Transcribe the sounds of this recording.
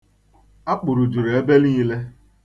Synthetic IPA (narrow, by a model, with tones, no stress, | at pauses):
a˦k͡pʊ˨ɾʊ˨d͡ʒu˨ɾe˦be˦li˦i˦le˦